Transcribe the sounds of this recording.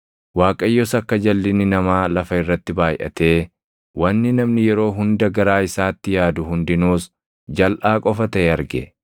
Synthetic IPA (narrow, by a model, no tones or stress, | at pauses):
waːkʼɐjːɔsɐkːɐd͡ʒɐlːɪnɪnɐmaːlɐfɐɪrːɐt̪ːɪbaːjʔɐ̰t̪e̞ː | wɐnːɪnɐmnɪjɛɾo̞ːɦʊnd̪ɐɡɐɾaːɪsaːt̪ːɪjaːd̪ʊɦʊnd̪ɪnuːs | d͡ʒɐlʔaːkʼɔfɐt̪ɐeɐɾɡɛ̰